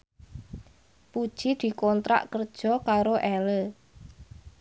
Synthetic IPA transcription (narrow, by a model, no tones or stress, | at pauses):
pud̥ʒ̥i̤d̪̥i̤kɔnt̪ɾa̰ʔkərd̥ʒ̥ɔ̤kaɾoʔɛlə